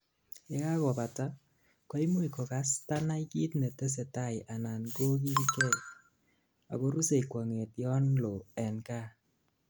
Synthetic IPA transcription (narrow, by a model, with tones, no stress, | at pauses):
je˦ka˦kɔ˨pa˨ta˦ | kɔ˦i˦mu˦i˨kɔ˨ka˨˦sta˦na˦iki˦tnɛ˨tɛ˦s̬e˨ta˦˨jʔa˨na˨nɡo˦ki˦lkɛ˦˨ | a̰˨ko˦ɾu˦se˨i˨kwa˨ŋe˨tjɔ˦nlɔ˨ɛ˨nka˦